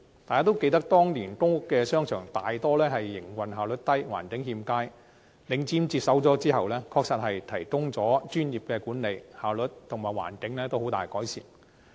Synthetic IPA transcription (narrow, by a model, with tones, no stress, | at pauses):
t̪aː˨jkaː˥t̪wke˧jt̪ɐ˥k̚t̪ɔː˥ŋliː˨˩nkʊ˥ŋʊ˥kːɛː˧sœː˥ŋt͡ʃʰœː˨˩ŋt̪aː˨jt̪ɔː˥lɛː˥ɦɐ˨jːɪ˨˩ŋwɐ˨˩nɦaː˨wlɵ˨˥t̚t̪ɐ˥jwa̰ː˨˩nkɪ˨˥ŋhiː˧mkaː˥j | lɪ˨˧ŋt͡siː˨˥mt͡siː˧t̚sɐ˨˥wt͡sɔː˨˥t͡siː˥hɐ˨wlɛː˥kʰɔː˧k̚sɐ˨t̚hɐ˨jt̪ʰɐ˨˩jkʊ˥ŋt͡sɔː˨˥t͡ʃyː˥njiː˨p̚kɛː˧kuː˨˥nle˨˧jhaː˨˩wlɵ˨˥t̚t̪ʰʊ˨˩ŋmaː˨jwa̰ː˨˩nkɪ˨˥ŋlɛː˥t̪o˥who˨˥wt̪aː˨jkɔː˨˥jsḭː˨˩n